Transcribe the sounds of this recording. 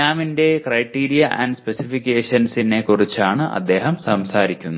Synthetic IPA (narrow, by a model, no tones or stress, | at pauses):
aːminde̞krɐjʈːiːɾijɐʔɐ̰nɖspesifikʲːe̞ːʂɐnsine̞kurit͡ɕːaːɳɨʔɐ̰d̪ːe̞ːɦɐmsɐmsaːɾikʲːunːu